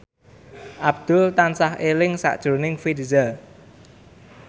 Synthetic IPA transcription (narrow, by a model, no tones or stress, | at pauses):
ʔab̚d̪̥ʊlt̪ansahelɪŋsa̰ʔd̥ʒ̥o̤nɪŋfidizəl